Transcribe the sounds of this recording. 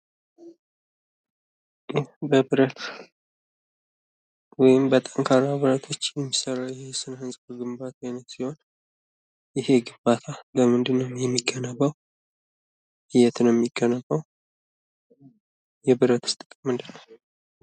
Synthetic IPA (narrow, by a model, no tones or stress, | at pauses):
jɛbəβɨɾət̪ | wɔjɪmbət̪ʼəŋkʰaɾaβɨɾət̪ʰo̞t͡ʃːjɛmːisəɾawjɛhesɨnhɨnsʼbəɡɨmbat̪ʰaajnət̪siho̞n | jɪhe̞ɡɨmbat̪ʰaləmɨnd̪ɨnːəwjɛmːiɡənəβəw | hɪjɛt̪nəjɛmːiɡːənəβːəw | jɛbɨɾət̪ʰɨ̥st̪ʼɨkʼmɨnd̪ɨəw